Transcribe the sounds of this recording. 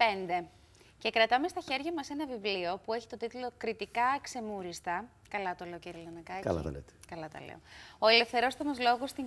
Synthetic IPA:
pe̞nd̪e̞ | ce̞kɾɐt̪ɐmest̪ɐçe̞ɾʝɐmɐse̞nɐvivlio̞pue̞çi̥t̪o̞t̪it̪ulo̞kɾit̪ikɐkse̞muɾist̪ɐ | kɐlɐt̪ole̞oceɾilɐnɐkɐkɐ̰lɐ̰t̪ɐ̰lḛt̪e̥kɐlɐt̪ɐ̰lḛoo̞ele̞fθe̞ɾo̞st̪ɐmɐzlo̞ɣost̪i

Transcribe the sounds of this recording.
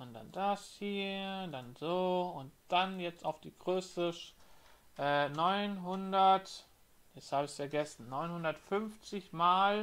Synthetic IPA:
ʊntd̥a̰nd̥ashiːɐdanzoːʊnt̚d̥anjɛt͡staʊfd̥iːɡʁøːstəʃ | ʔɛːnɔʏnɦʊndɐt | jɛshaːbɪçsfɛɐɡɛsn̩ːɔʏnhʊndɐtfʏnft͡sɪçmaːl

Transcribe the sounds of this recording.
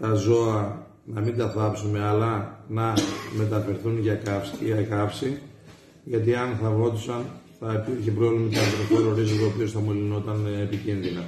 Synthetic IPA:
t̪ɐzo̞ɐ | nɐmind̪ɐθɐpsume̞ɐlɐnɐme̞t̪ɐfe̞ɾθunʝɐkɐfsɐkɐfsi | ʝɐt̪iɐnθɐvɾo̞t̪isɐnθɐipiɾçepɾovlimɐt̪iɐnt̪ɾofeɾoɾizot̪opio̞st̪ɐmolino̞t̪ɐnepicinðinɐ

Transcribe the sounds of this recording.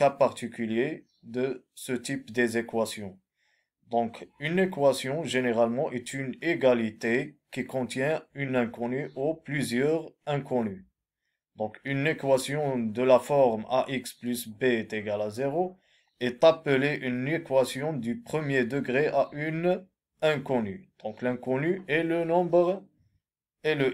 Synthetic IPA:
kapaʁt̪ikylje | d̪ə | sət̪ipd̪ezekwasjɔ̃ | d̪ɔ̃kynekwasjɔ̃ʒeneʁalmɑ̃ʔɛt̪yneɡalit̪ekikɔ̃t̪jɛ̃ynɛ̃kɔ̃nyʔoplyzjœʁɛ̃kʰɔ̃ny | d̪ɔ̃kynekwasjɔ̃d̪əlafɔʁma̰ʔiksplysbet̪eɡalazeʁo | ɛt̪apəleʔynekwasjɔ̃d̪ypχəmjed̪əɡʁeʔaʔyn | ɛ̃kɔny̰d̪̥ɔ̃klɛ̃kɔnyɛlənɔ̃bʁ | ɛlə

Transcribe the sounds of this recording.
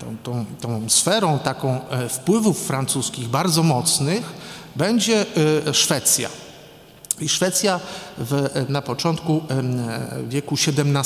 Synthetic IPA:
ɔ̰̃t̪ɔ̃w̃t̪ɔ̃w̃sfɛɾɔ̃w̃t̪akɔ̃w̃fpwɘvufːɾant̪suskʲiɣbaɾd̪zɔmɔt̪snɘxbɛɲd͡ʑɛʂfɛt̪sʲja̰ | iʂfɛt̪sʲjavnapɔt͡ʂɔnt̪ku | vʲjɛkuɕɛd̪ɛmna

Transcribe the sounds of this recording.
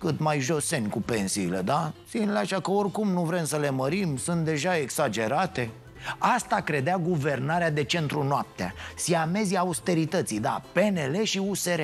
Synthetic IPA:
kɨt̪majʒo̞se̞nʲkupe̞nsiːle̞̰d̪asinleaʃakəo̞rkumnuvɾe̞msəle̞məɾimsɨnt̪̚d̪e̞ʒaeksad͡ʒe̞ɾat̪e̞ | ast̪akɾe̞d̪eaɡuve̞rnaɾead̪e̞t͡ʃe̞nt̪ɾunoap̚t̪ea̰siame̞ziaːust̪e̞ɾit̪ət̪sijd̪ape̞ne̞le̞ʃiuse̞ɾe

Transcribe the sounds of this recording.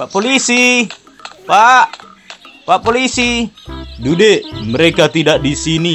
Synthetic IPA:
paʔpolisi | paʔ | paʔpolisi | dudeməɾekat̪idaʔdisini

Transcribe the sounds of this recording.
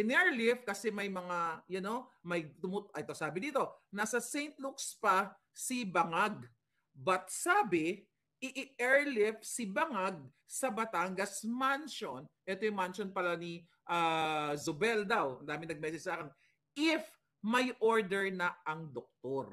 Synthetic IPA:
ʔɪnɛɹlɪfkɐsɛmɐjmɐŋajɐno̞mɐjt̪ʊmʊt̪ʔɛt̪o̞saːbɪd̪iːt̪o̞nasɐsɛjnt̪̚lukspɐ | sibɐŋaɡ̚ | bɐt̪̚saːbɪ | ʔɪʔɪʔɛɹlɪfsɪbɐŋaɡ̚ | sɐbɐt̪aŋɡɐsmanʃonʔɛt̪ojʊŋmanʃonpɐlani | ʔazʊbɛld̪awɐ̰nd̪aːmɪnɐɡ̚mɛːsɛd͡ʒsɐʔaːkɪn | ʔɪf | mɐjʔo̞ɹd̪ɛɹnɐɐŋd̪ok̚t̪oɾ

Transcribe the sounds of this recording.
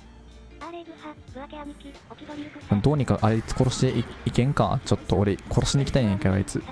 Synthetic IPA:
d̪o̞ːɲ̟ikaʔaɾiit͡sɨ̥ko̞ɾo̞ɕi̥t̪eʔikẽ̞ŋka̰t͡ɕo̞t̪ːo̞ːɾʲikʰo̞ɾo̞ɕiɲ̟ikʲit̪aiɲẽŋkea̰ɾit͡sɨ

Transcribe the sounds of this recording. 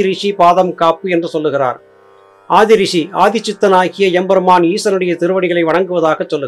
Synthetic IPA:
ɪɾɪʂipaːðɐmkaːpɯɛndrɯsɔlːɯɣɪra̰ːɾ | aːðɪɾɪʂiaːðɪt͡ʃːɪt̪ːɐnaːɣɪjɐɛmbɐɾɯmaːniːsɐnɯɽɐjɐt̪ɪɾɯʋɐɽɪɣɐɭɐɪʋɐɽɐŋɡɯʋɐðaːɣɐt͡ʃːɔlːɯ

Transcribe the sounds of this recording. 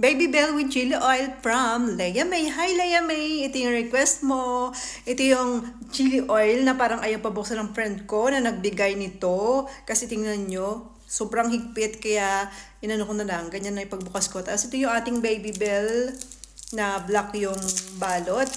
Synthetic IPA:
bejbibɛlwɪd͡ʒilɪʔojlfɹɐmlɛjɐmɛjɦajlɛjɐmɛjʔɛt̪ojʊŋɹɛkwɛst̪̚mo̞ʔɛt̪ojʊŋd͡ʒilɪʔojlnɐpaːɾɐŋʔɐjopɐbok̚sɐnɐŋfɹɛnd̪̚ko̞nɐnɐɡ̚bɪɡajnɪt̪okɐsɛt̪ɪŋnɐnɲo | soːbɾɐŋhɪɡ̚pɪt̪̚kɐjaʔʔɪnɐnokonɐlɐŋɡɐɲanːɐʔɪpɐɡ̚bʊkɐskot̪apsʔɪt̪ojʊŋʔaːt̪ɪŋbejbibɛl | nɐblɐkjʊŋbaːlot̪̚

